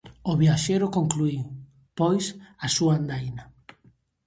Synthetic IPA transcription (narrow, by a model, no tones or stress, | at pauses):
ʊβjaʃejɾʊkoŋklui | pojsasuand̪ajna